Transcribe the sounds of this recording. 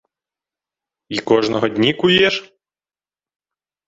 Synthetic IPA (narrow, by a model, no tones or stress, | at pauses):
ikɔʐnɔɦɔd̪ʲnʲikʊjɛʃ